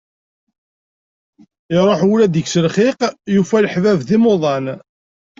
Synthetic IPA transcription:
ɪɾˤoħulæd̪əɡsəlχɪqjufæləħvævðimoðˤɑn

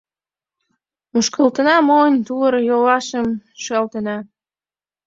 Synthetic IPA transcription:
muʃkəlt̪ənɑmonʲt̪uləɾjolɑʃəmʃɑlt̪ənɑ

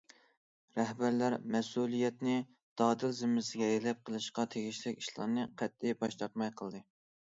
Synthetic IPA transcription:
ɾɛhbæɾlæɾmɛsulˠijɛt̪nɪ | d̪̥ɑːd̪ɨlzɪmɪsɪɡʲɛjelɛp̚qʰəlˠɨʃqɑt̪ʰeɡʲiʃlɪkʲiʃlˠɑ̰nɨqʰæt̪̚ːɪbɑʃt̪ɑɾt̪̚mɑjqʰəlˠd̪ɨ

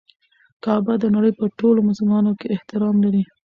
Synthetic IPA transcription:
kɑbad̪ənaɽəjpəʈolomasʊlmɑnokeɪht̪ɪɾɑmlaɾi

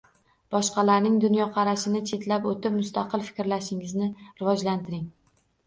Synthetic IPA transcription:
b̥ɒʃqɑlaɾnɪŋd̪ʊnjɒqʰɑɾaʃɪnɪt͡ʃʰe̞t̪lapot̪ɪp̚mʊst̪aqɨlˠfɪ̥kʲɾlaʃɪŋɪznɪɾɪvɒd͡ʒlant̪ʰɪɾɪŋ

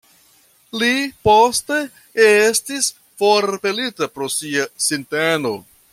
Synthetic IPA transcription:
liposte | estis | foɾpe̞litapɾo̞siasinteno̞

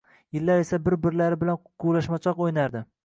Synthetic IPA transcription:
jɪlːaɾesabɪɾbɪɾlaɾɪbɪlanqʰʊlaʃmat͡ʃʰɒqojnaɾd̪ɪ

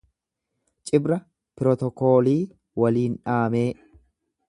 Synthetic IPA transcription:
t͡ʃʼɪbɾɐ | pɪɾɔt̪ɔkoːliː | wɐliːnᶑaːme̞ː

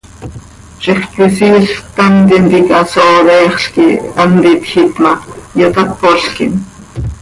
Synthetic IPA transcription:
t͡ʃiχk̪wisiːɬt̪ant̪int̪ikasoːðɛːχɬkḭant̪it̪xit̪mɑjot̪at̪̚poɬkḭn

